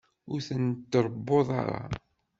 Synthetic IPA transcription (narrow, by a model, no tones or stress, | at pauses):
ʊɾθənt̪ːɾˤbːoðˤɑ̰ɾˤɑ̰